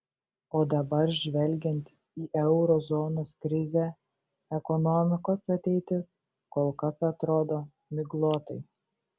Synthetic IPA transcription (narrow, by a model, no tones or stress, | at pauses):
oːd̪ɐbɐɾʒʲʋʲɛlʲɡʲɛnʲt̪ʲ | iːʔɛʊɾɔzɔːnoːskɾʲɪzʲɛ | ɛkɔnɔmʲɪkoːsɐt̪ʲɛɪt̪ʲɪs | koːlˠkɐsɐt̪ɾoːd̪oː | mʲɪɡlˠoːt̪ɐɪ